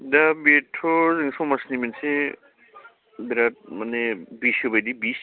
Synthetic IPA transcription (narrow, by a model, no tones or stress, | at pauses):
dabetʰːɔzaŋsɔmasnimanse | biɾat̚manebisobajdibis